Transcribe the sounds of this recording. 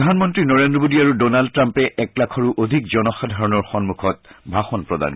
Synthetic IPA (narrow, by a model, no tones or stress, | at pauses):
dʱanmɔntɹinɔɹendɹɔmodiaɹudɔnaldtɹampɛʔɛklakʰɔɹuʔodʱikzɔnɔxad̪ʱaɹɔnɔɹxɔnmukʰɔt̚bʱaxɔnpɹɔda̰n